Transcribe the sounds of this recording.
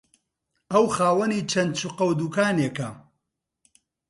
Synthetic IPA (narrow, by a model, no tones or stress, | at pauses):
ɐwxaːwɐniːt͡ʃʰɐnd̪̚t͡ʃʰuqɐwd̪ukaːnekɐ